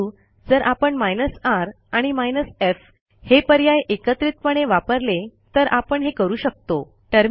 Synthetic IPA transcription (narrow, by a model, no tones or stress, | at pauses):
u | d͡zəɾʔapəɳmajnəsaɾ | aɽ̃imajnəsef | hepəɾjajʔekət̪ɾit̪̚pəɳ̃eʋapəɾlet̪əɾʔapəɳɦekəɾuːɕək̚t̪o | ʈəɾm